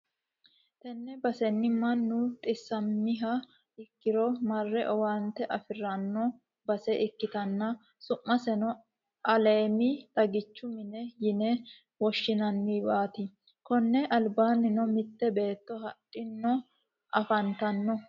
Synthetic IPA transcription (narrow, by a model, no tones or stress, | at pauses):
t̪ɛnːɛbɐsɛnːɪmɐnːʊt̪ʼɪsːɐmːɪɦɐ | ɪkːɪɾɔmɐrːɛʔɔwant̪ːɛʔɐfɪrɐnːɔ | bɐsɛʔɪkːɪt̪ɐnːɐ | sʊmːɐsɛnɔ | ʔɐleːmɪt̪ɐɡɪt͡ʃːʊmɪnɛjɪnɛ | wɔʃːɪnɐnːiːbaːt̪ɪ | kɔnːɛʔɐlbaːnːɪnɔmɪt̪ːɛbe̞ːt̪ːɔɦɐᶑʼːɪnːɔ | ʔɐfɐnt̪ɐnːɔ